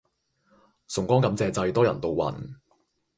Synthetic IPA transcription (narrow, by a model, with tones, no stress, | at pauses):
sʊ˨˩ŋkʷɔː˥ŋkɐ˨˥mt͡sɛː˧t͡sɐ˧jt̪ɔː˥jɐ̰˨˩nt̪o˨wwɐ̰˨˩n